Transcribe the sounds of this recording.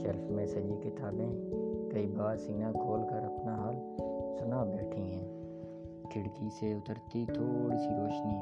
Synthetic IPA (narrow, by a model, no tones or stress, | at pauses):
t͡ʃɐlmɛ̃ːsəd͡ʒikɪt̪aːbẽkɐibaːɾsiːnakʰoːlkəɾɐpnaɦaːlsʊnabɛːʈʰĩɦɛ̃ː | kʰɪɽkiseʊt̪əɾt̪it̪ʰoːɽisiɾoːʃni